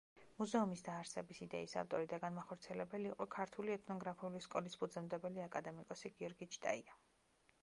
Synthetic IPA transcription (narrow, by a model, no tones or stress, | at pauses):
muzɛumisd̪aːɾsɛbisid̪ɛisa̰ft̪ʼɔɾid̪aɡanmaχɔɾt̪sʰiɛlɛbɛliːqʼɔkʰaɾt̪ʰuliɛt̪ʰnɔɡɾapʰiuliskʼɔlispʰud̪zɛmd̪ɛbɛliakʼad̪ɛmikʼɔsiɡiɔɾɡit͡ʃʰt̪ʼa̰ia